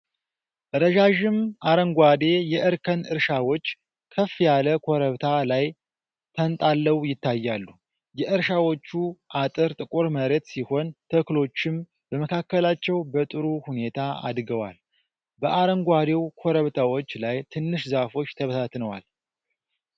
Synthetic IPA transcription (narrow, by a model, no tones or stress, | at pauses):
ʔɾəʒaʒɪmʔaɾəŋɡʷad̪e̞jɛʔɨɾkʰənɨɾʃawot͡ʃː | kʰəfjaləkʰoɾəβt̪ʰalaj | t̪ʰənt̪ʼalːəwjɪt̪ːajːalːu | jɛʔɨɾʃawot͡ʃːuʔat̪ʼɨɾt̪ʼɨkʼuɾməɾet̪siho̞nt̪ʰəklo̞t͡ʃːɪm | bəməkʰakːəlat͡ʃːɛwbət̪ʼɨɾuhune̞t̪ʰaa̰d̪ɡəwa̰l | bəʔaɾəŋɡʷad̪e̞wkʰoɾəβt̪ʰawo̞t͡ʃːlajt̪ʰɨnːɨʃzafo̞t͡ʃːt̪ʰəβəsʰat̪nəwa̰l